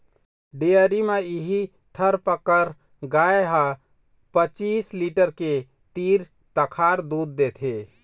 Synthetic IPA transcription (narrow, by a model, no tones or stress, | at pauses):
ɖeəɾimeiɦi | t̪ʰəɾpəkəɾ | ɡaeɦa | pət͡ʃisliʈəɾke | t̪iɾ | t̪əkʰaɾd̪ud̪ːet̪ʰe